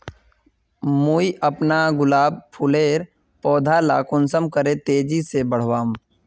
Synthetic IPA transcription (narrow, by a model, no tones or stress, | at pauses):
muːiʔəpnaɡʊlaːb̚pʰʊleːɾ | pɔːd̪ʱala̰ːkʊnsəmkəɾẽt̪eːd͡ʒisebəɽ̤ʋaːm